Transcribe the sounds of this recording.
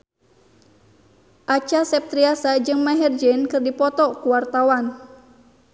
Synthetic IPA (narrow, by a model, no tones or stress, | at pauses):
ʔat͡ʃasɛp̚t̪ɾiasad͡ʒɨŋmaɦɛrd͡ʒɛnkɨrdipɔt̪ɔkuwart̪awan